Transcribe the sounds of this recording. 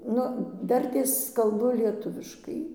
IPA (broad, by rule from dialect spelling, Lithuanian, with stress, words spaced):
ˈnʊ ˈdɐrʲtʲeːs kɐlˠˈbʊ lʲiɛˈtʊʋʲɪʃkɐɪ